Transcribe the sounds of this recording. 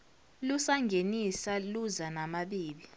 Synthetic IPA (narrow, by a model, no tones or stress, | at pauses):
lusaŋɡʱenisaluzanamaɓiːɓi